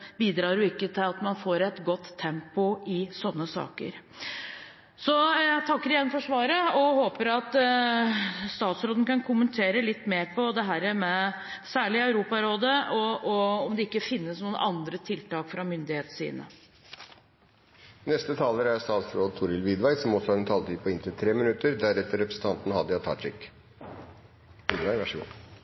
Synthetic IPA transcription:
biːd̪ɾɑːɾjʊɪkːət̪ʰɪlɑt̪mɑnfoːɾɛt̪ɡɔt̪ʰːɛmpʊɪsɔnːəsɑ̰ːkə̰ɾ | sɔjæt̪ʰɑkːəɾɪjɛnfɔʂʋɑːɾəɔhoːpəɾɑt̪ | st̪ɑːt̪sɾoːd̪n̩kɑnkʰʊmənt̪ʰeːɾəlɪt̪ːmeːɾpʰɔd̪ɛɦæːɾəmɛsæːɭɪœʉɾuːpɑɾoːd̪əɔɔɔmd̪ɛɪkːəfɪnːəsnuːənʔɑnd̪ɾət̪ʰɪlt̪ɑːkfɾɑmʏnd̪ɪheːt̪sḭːnə̰ | nɛst̪ət̪ʰɑːləɾæɾst̪ɑːt̪sɾoːd̪t̪ʰʊɾɪlʋid̪ʋæɪsɔmɔsɔɑd̪ɛnt̪ʰɑːlt̪ɪpʰɔɪnt̪ʰɪlt̪ʰɾeːmɪnʉt̪əɾd̪æɾɛt̪ːəɾɛpɾəsn̩t̪ʰɑnt̪nhɑd̪ːəɑt̪ʰɑ̰ːʈɪk | ʋiːd̪ʋæɪʋæʂəɡṵː

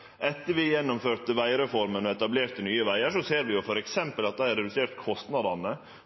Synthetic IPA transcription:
ʔɛt̪ːəɾʋɪjɛnːɔmføːt̪əʋæɪɾɛfɔɾmənɔɛt̪ɑbleːt̪ənyːəʋæɪəʂɔseːɾʋɪjʊfɔɾɛksɛmpəlɑt̪̚d̪æɪæɾɛd̪ʉseːɾt̪kʰɔst̪nɑd̪ɑnə

